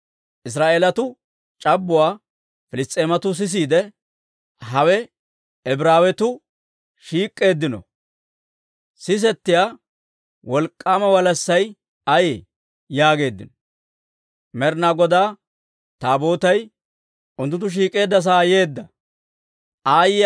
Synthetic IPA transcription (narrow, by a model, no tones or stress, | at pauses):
ʔɪs̬ɾaːʔeːlɐt̪ʊ | t͡ʃʼɐbːʊwaː | fɪlɪst̪ʼeːmɐt̪ʊs̬ɪs̬iːd̪ɛ | hɐwɛ | ɛbɾaːwɛt̪ʊ | ʃiːkʼːe̞ːd̪ːɪnɔ̰ | sɪs̬ɛt̪ːɪjaː | wɔlkʼːaːmɐwɐlɐsːɐj | ɐjḛ | jaːɡe̞ːd̪ːɪnɔ | mɛɾnaɡɔd̪aː | t̪aːbo̞ːt̪ɐj | ʊnt̪ːʊnt̪ːʊʃ̬iːkʼe̞ːd̪ːɐs̬aːje̞ːd̪ːɐ | ʔaːjɪ